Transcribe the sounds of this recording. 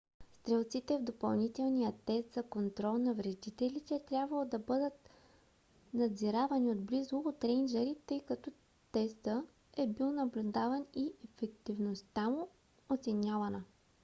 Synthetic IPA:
st̪ɾɛlˠt̪sit̪ɛvd̪opɐlˠnit̪ɛlˠnijət̪ɛst̪zɐkont̪ɾɔlˠnɐvɾɛd̪it̪ɛlit̪ɛːt̪ɾʲjabvɐlˠod̪ɐbɤd̪ət̪̚ | nɐd̪ziɾavɐniod̪blizoːt̪ɾɛnd͡ʒɛɾit̪ɤjkɐt̪ɔ | t̪ɛst̪ə | ɛbilˠnɐblʲʊd̪avɐniɛfɛkt̪ivnost̪amʊ | ot̪sɛnʲavɐnə

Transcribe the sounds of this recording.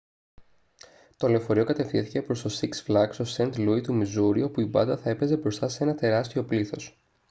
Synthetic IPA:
t̪ole̞ofo̞ɾio̞kɐt̪e̞fθinθi̥cepɾo̞st̪o̞siksflɐkso̞se̞nt̪luit̪umizuɾio̞puibɐ̰nd̪ɐθɐe̞pe̞ze̞bɾo̞st̪ɐsee̞nɐt̪e̞ɾɐst̪io̞pliθo̞s

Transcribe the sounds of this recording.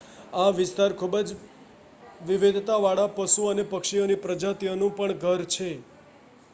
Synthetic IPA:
aʋɪst̪aɾkʰubd͡ʒ | ʋɪʋed̪ʱt̪aʋaɭapəʃuənepəkʃionipɾəd͡ʒat̪ijonũpəɳɡʱəɾt͡ʃʰe

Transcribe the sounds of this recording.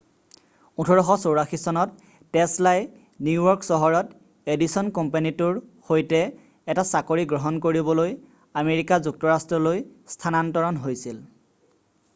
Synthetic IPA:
utʰɔɹɔxɔsowɹaxisɔnɔtː | ɛslaj | nuwɔɹksɔɦɔɹɔt | edisɔnkɔmpanituɹxojtɛ | ɛtasakoɹiɡɹɔɦɔnkoɹibɔloj | ameɹikazuk̚tɔɹastɹɔlojstʰanantɔɹɔnɦojsil

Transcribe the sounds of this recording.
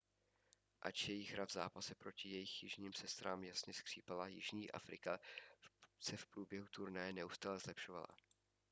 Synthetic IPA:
ʔa̰t͡ʃjjɛjɪɣɾavzaːpasɛpɾo̞cɪjɛjɪxjɪʒɲiːmsɛst̪ɾaːmjasɲɛskr̥iːpalajɪ̰ʒɲiːʔa̰fɾɪka | sɛfpɾuːbjɛɦut̪uɾnajɛnɛʔust̪aːlɛzlɛpʃo̞va̰la̰

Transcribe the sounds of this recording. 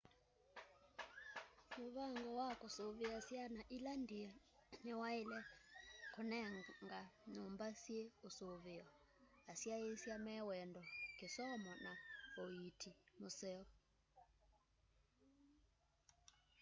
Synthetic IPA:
muβaŋɡɔwakʼɔsoβiasianaʔilandia | nɛwailɛkʰunɛŋŋɡanumbasjeusoβiɔ | asiajesjamɛwɛndɔŋkisɔmɔnaoitʰimusɛː

